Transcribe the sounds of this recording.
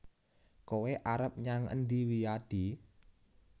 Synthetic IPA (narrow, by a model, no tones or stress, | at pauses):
koweʔaɾəp̚ɲaŋə̰nd̪iwijad̪̥i